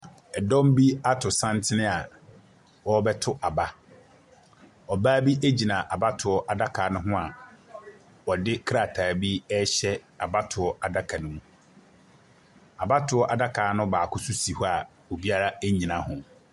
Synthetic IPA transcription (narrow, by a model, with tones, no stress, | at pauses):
ɛ˨dɔ̃˦m˦bi˦a˦tʰʊ˨sã˦ntʰɪ˦nɪ̃˦a˨ | wɔ˦bɛ˦tʰʊ˦ʔa˨ba˦ | ɔ˨baː˦bi˦ʔæ˦d͡ʑi˨nã˨ʔa˨ba˦tʰʊ˨ɔ˦ʔa˨da˦kʰaː˨˦nʊ̃˦ɦʊ̃˦a˨ | wɔ˨dɪ˦kʰɾa˨tʰaː˨bi˦ɛ˦ɕɛ˦ | a˨ba˦tʰʊ˨ɔ˦a˨da˦kʰã˨nʊ̃˦mũ˦˨ | a˨ba˦tʰʊ˨˦ɔ˦ʔa˨da˦kʰaː˨˦nʊ̃˦baː˨kʰʊ˦sʊ˦si˨hu˦a˨ | wo˨bi˦a˦ɾa˦æ˦ɲĩ˨nã˨hʊ̃˨